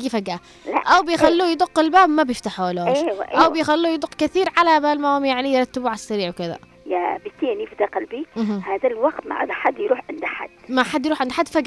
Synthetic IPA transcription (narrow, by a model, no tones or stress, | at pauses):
ɡifaɡa | la̰ʔawbɪjxallːuːjd̪ˤʊqːɪlbaːbmabjɪft̪aħualoːeʃw̰ʔʔawɪjxalːuːjd̪ˤʊqːkaθiːɾʕalabalmamjaʕnijɾˤɑt̪ːɪbuʕasːaɾiːʕwkɪða̰ | jabɪt̪ːiːnifid̪aqalbiɦhaːðalwɑɡt̪ma̰ʕa̰d̪aħad̪ːjɾuːħʕɪnd̪aħa̰d̪̥ːmaħad̪ːjɾuːħʕɪnd̪ħad̪ːfaɡ